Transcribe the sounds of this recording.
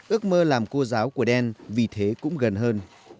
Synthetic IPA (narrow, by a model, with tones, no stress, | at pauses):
ʔɨ˦˥ək̚məː˧laː˨˩mko˧zaː˨˦wku˧˩əɗɛ˧nvi˨˩t̪ʰe˨˦kʊ̰˧˥ŋ͡mɣə˨˩nɦəː˧n